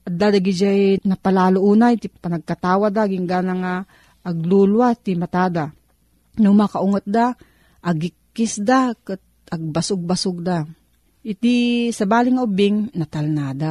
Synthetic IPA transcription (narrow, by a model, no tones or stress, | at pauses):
ʔɐd̪ad̪aɡɪd͡ʒajnɐpalaːloʔuːnajt̪ipɐnɐɡ̚kat̪aːwad̪aɡɪŋɡaːnaŋa | ɐɡ̚lulwat̪imat̪aːd̪a | nʊmakaʔʊŋat̪̚d̪a | ʔɐɡɪkːɪsd̪akɨt̪̚ | ɐɡ̚basʊɡ̚basʊɡ̚d̪a | ʔɪt̪isɐbaːlɪŋaubɪŋnɐt̪ɐlnaːd̪a